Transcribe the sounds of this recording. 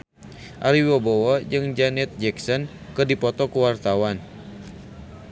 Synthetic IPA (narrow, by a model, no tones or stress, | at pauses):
ʔaɾiwabowad͡ʒɨŋd͡ʒanɛt̪̚d͡ʒɛksɔn | kɨrdipɔt̪ɔkəwart̪awan